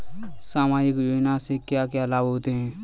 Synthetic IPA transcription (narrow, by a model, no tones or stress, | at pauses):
saːmaːjəkjoːd͡ʒnasekjaːkeɐlaːbɦoːt̪eɦɛ̃ː